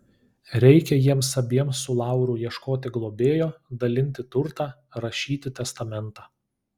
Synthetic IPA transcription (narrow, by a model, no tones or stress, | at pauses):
ɾʲɛɪkʲɛjiɛmsɐbʲiɛmsʊlˠɑˑʊɾuːjiɛʃkoːt̪ʲɪɡlˠoːbʲeːjoːd̪ɐlʲɪnʲt̪ʲɪt̪ʊɾt̪ɑː | ɾɐʃʲiːt̪ʲɪt̪ʲɛst̪ɐmʲɛnˑt̪ɑː